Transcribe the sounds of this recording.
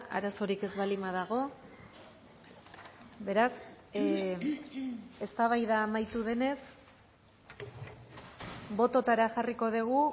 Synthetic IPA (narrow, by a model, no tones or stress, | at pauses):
a̰ɾaso̞ɾike̞zβalimaðaɣ̞o̞ | be̞ɾas | e̞st̪aβ̞ajðaːmajt̪uð̞e̞ne̞s | bo̞t̪o̞t̪aɾaʝariko̞ð̞eɣ̞u